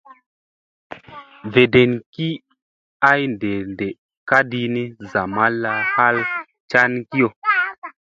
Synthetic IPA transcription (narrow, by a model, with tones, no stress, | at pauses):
ve˨de˨nki˦ | a˦jnde˨nde˨ | ka˦di˦ni˦za˨ma˦lːa˨ha˦l | t͡ʃa˦nki˦jo˨